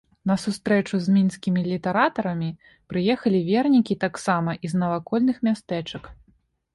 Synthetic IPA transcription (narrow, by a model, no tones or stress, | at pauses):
nɐsust̪ɾɛt͡ʂuzʲmʲinsʲkʲimʲilʲit̪ɛɾat̪ɐɾɐmʲi | pɾɨjɛxɐlʲivʲɛrnʲikʲit̪aksamɐʔiznɐvakɔlʲnɨxmʲast̪ɛt͡ʂɐk